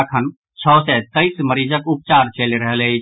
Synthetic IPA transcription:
kʰən | t͡ʃʰɔːsɛt̪əɪsməɾid͡ʒəkup̚t͡ʃaɾt͡ʃeliɾəɦlei

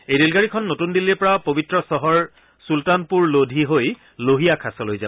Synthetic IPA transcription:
ejdelɡaɹikʰɔnːotundilːipɔɹapobitɹɔsɔɦɔɹ | sultanpuɹlodʱiɦoj | loɦijakʰasɔlojza

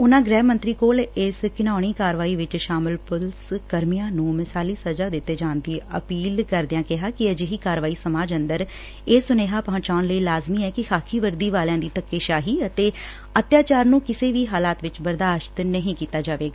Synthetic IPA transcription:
ʊnãːɡɾɛːmənt̪ɾiːkoːlɪskɪnaːɽ̃iːkaːɾʋaːiːʋɪt͡ʃʃaːmɪlpʊlskəɾmijãːnũːmɪsaːliːsəd͡ʒaːd̪ɪt̪ːeːd͡ʒaːnd̪iːʔə̰piːlkəɾd̪ɪjãːkɪɦaːkɪəd͡ʒɪɦiːkaːɾʋaːiːsəmaːd͡ʒənd̪əɾ | eːsʊneːɦaːpə̃ɦə̃t͡ʃaːnləiːlaːzmiːɛːkɪxʰaːkʰiːʋəɾd̪iːʋaːljãːd̪iːt̪əkːeːʃaːɦiːət̪eː | ət̪jaːt͡ʃaːɾnũːkɪseːʋiːɦaːlaːt̪ʋɪt͡ʃbəɾd̪aːʃt̪nəɦĩːkiːt̪aːd͡ʒaːʋeːɡaː

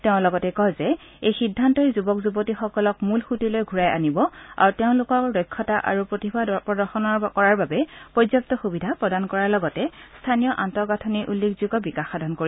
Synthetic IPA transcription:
teʊ̃lɔɡɔtɛkɔjzɛ | ejxidʱːantɔzubɔkzubɔtixɔkɔlɔkmulxutilojɡʱuɹaja̰nibɔa̰ɹuteʊ̃lʊkɔkdɔjkʰːɔtaʔa̰ɹupɹotibʱapɹɔdɔɹxɔnɔɹkɔɹaɹbabɛpɹɔzɔp̚tɔxubidʱapɹɔdankɔɹaɹlɔɡɔtɛstʰanijɔʔantɔɡatʰɔniʔulːekʰzuɡɔbikaxːadʱɔnkoɹi

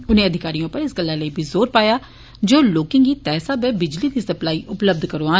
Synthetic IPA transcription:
ʊnẽːəd̪ʱɪkaːɾijõːpəɾɪsɡəlːaːləiːbʱiːzoːɾpaːjaː | d͡ʒoːloːkɪ̃ŋɡiːt̪ɛːsaːbɛːbɪd͡ʒliːd̪iːsəplaːiːʔʊpləb̚d̪kəɾoaː

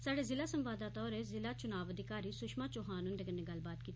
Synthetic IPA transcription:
saːɽeːzɪlaːsəmʋaːd̪aːt̪ɔːɾezɪlaːt͡ʃʊnaːʋəd̪ɪkaːɾiːsʊʃmãːt͡ʃoɦaːnʊ̃nd̪eːkənːẽɡəlbaːt̪kiːt̪ː

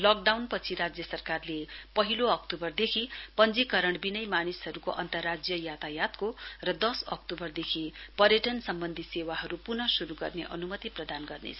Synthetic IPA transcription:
lʌk̚ɖawnpʌt͡sʰiɾad͡zjʌsʌrkarlepʌɦiloʌk̚ʈubʌrd̪ekʰipʌnd͡zikʌɾʌɽ̃binʌjmanisɦʌɾukoʔʌnt̪ʌrːad͡zjʌjat̪ajat̪korʌd̪ʌsʌ̰kʈubʌrd̪ekʰipʌɾjʌʈʌnsʌmbʌnd̪ʱisewaɦʌɾupurnʌsuɾuɡʌrneʔʌnumʌt̪iprʌd̪anɡʌrnḛt͡sʰʌ

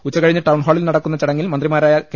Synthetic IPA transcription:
ut͡ɕːɐkɐɻiɲːɐʈɐwɳɦoːɭilnɐɽɐkːunːɐt͡ɕɐɽɐŋːilmɐnd̪rimaːɾaːjɐk

